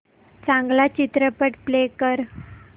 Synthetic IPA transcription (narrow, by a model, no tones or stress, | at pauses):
t͡sãŋɡlat͡ɕit̪ɾəpəʈplekəɾ